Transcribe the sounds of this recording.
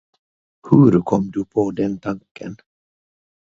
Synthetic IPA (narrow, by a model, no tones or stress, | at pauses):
hɵɾkʰɔmːd̪ɵpʰod̪ɛnt̪ʰaŋkən